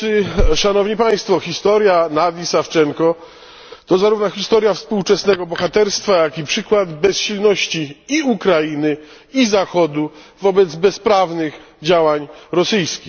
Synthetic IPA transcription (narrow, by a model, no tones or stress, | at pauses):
ɘʂanɔvɲipaj̃st̪fɔxʲist̪ɔɾʲjanad̪ʲisaft͡ʂɛŋkɔ | t̪ɔzaɾuvnɔxʲist̪ɔɾʲjafspuwt͡ʂɛsnɛɡɔbɔxat̪ɛɾst̪fajakipʂɘkwad̪bɛsɕilnɔɕt͡ɕiːukɾajinɘ | izaxɔd̪uvɔbɛd̪zbɛspɾavnɘx | d͡ʑawaɲɾɔsɘjskʲi